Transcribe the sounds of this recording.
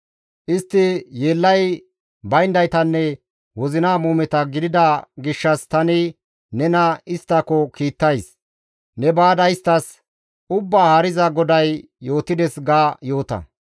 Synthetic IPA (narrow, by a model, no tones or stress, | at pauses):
ʔɪst̪ːɪjeːlːɐj | bɐjnd̪ɐjt̪ɐnːɛ | wɔzɪnaːmuːmɛt̪ɐɡɪd̪ɪd̪ɐɡɪʃːɐst̪ɐnɪ | nɛnɐɪst̪ːɐkɔkiːt̪ːɐjs | nɛbaːd̪ɐjɪst̪ɐs | ʊbːaːhɐɾɪzɐɡɔd̪ɐj | jo̞ːt̪ːɪd̪ɛsɡaːjo̞ːt̪ɐ̰